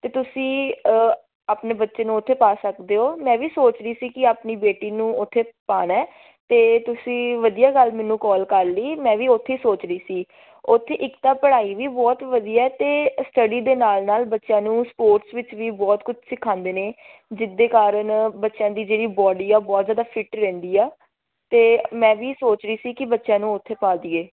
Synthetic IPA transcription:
t̪eːt̪ʊsĩː | aːpneːbətːʃeːnũːʊt̪ʰːeːpaːsəkd̪eːɦoːmɛ̃ːʋiːsoːt͡ʃɾiːsiːkɪaːpniːbeːʈiːnũːʊt̪ʰːeːpaːnɛː | t̪eːt̪ʊsĩːʋəd̪ijaːɡəlmɛːnːũːkɔːlkəɾləiːmɛ̃ːʋiːʊt̪ʰːeːsoːt͡ʃɾəiːsiː | ʊt̪ʰːeːʔɪkt̪aːpəɽaːiːʋiːbɔːt̪ʋəd̪ijaːɛt̪eːsʈəɖiːd̪eːnaːlnaːlbətːʃjãːnũːspoːɾʈsʋɪt͡ʃʋiːbɔːt̪kʊt͡ʃʰsɪkʰãːnd̪eːneː | d͡ʒɪd̪ːeːkaːɾəɳbətːʃãːd̪iːd͡ʒeːɽiːbɔːɖiːɛːbɔːt̪zjaːd̪aːpʰɪʈɾɛ̃ːnd̪iːaː | t̪eːmɛ̃ːʋiːsoːt͡ʃɾəiːsiːkɪbətːʃãːnũːʊt̪ʰːeːpaːd̪iːeː

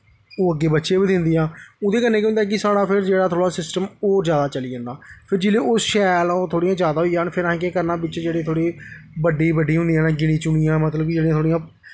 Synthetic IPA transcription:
oːəɡːeːbətːʃeːbiːd̪ɪ̃nd̪iːãːoːd̪eːkənːeːkiʊ̃nd̪ɛːk̬ɪsaːɽãːpʰɪɾd͡ʒeːɽaːt̪ʰoːɽaːsɪsʈəmoːzjaːd̪aːt͡ʃəliːd͡ʒə̃ːnd̪aːpʰɪɾd͡ʒɪleːʊsʃɛːlãːt̪ʰoːɽiːãːzjaːd̪aːɦoiːɦaːnpʰɪɾaɦẽːkekəɾnãːbɪt͡ʃd͡ʒeːɽeːt̪ʰoːɽiːbəɖːiːbəɖiːɦʊ̃nd̪iːãːnaːɡɪɽ̃ĩːt͡ʃʊɳijãːmət̪ləb̚kɪd͡ʒeːɽijãt̪ʰoːɽijãː

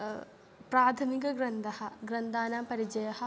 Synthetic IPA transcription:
pɾaːt̪ʰɐmik̬ɐɡɾɐnd̪ʱɐhɐɡɾɐnd̪aːnaːmpɐɾid͡ʒɐjɐhɐ

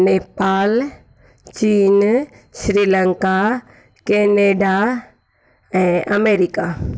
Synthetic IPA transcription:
neːpaːl | t͡ɕiːn | ʃɾiːlə̃ŋka | keːneːɖa | ɛ̃ːʔɐmeːɾika

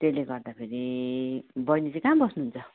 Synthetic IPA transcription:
t̪eleɡʌrd̪apʰeɾi | bʌjnit͡sikãmbʌsnuɦunt͡sʰʌ

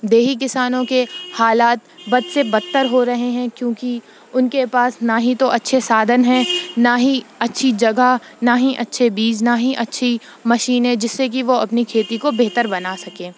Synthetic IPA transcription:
d̪eːɦik̬ɪsaːnõkehaːlaːt̪̚bɐd̪sebɐt̪ːəɾɦoɾɐɦeɦɛ̃kjõːki | ʊnkepaːsnaɦit̪oʔɐtːʃʰesaːd̪ʱənɦɛ̃naɦiɐtːʃʰid͡ʒɐɡa | naɦiʔɐtːʃʰebiːznaɦiʔɐtːʃʰi | mɐʃiːnɦɛ̃d͡ʒɪsːek̬iʋoɐpnikʰeːt̪ikobeːt̪əɾbɐnasɐkẽː

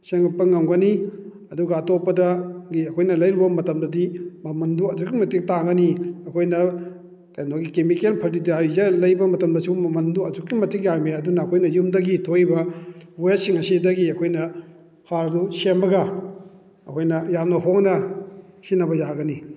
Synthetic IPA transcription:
seŋɡapːɐŋɐmɡɐni | ɐduɡɐːtopːɐdɐɡiɐkʰojnɐlɐjɾubɐmɐtɐmdɐdimɐmɐnduɐzuk̚ːimɐtik̚taɡɐniɐkʰojnɐ | kajnoɡikemikelpʰɐɾt̬idiaizɐlɐjbɐmɐtɐmdɐsumɐmɐnduɐzukːimɐtik̚jameɐdunɐːkʰojnɐjumdɐɡitʰojbɐwjesiŋɐsidɐɡiɐkʰojnɐ | haɾdusembɐɡɐ | ɐkʰojnɐjamnɐɦoŋnɐhinɐbɐjaɡɐni

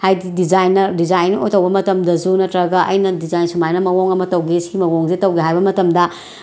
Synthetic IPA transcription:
hajdidizajnːɐdizajno̰jtɐwbɐmɐtɐmdɐzunɐtɾɐɡɐʔɐ̰jnɐdizajnsumajnɐmɐwoŋɐmɐtɐwɡesiɡimɐwoŋzetɐwɡiɦajbɐmɐtɐmdɐ

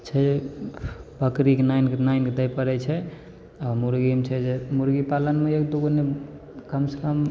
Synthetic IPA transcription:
t͡ʃʰɛd͡ʒe | bəkɾikenainkenanked̪əjpəɾɛt͡ʃʰɛ | amuɾɡimt͡ʃʰɛd͡ʒemuɾɡipalənmeekd̪uɡone | kəmsə̥kəm

